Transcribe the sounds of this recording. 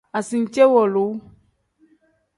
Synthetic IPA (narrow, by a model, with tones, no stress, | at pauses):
a˨si˨ŋ̩˨˦t͡ʃɛ˦wɔ˨lo˨˦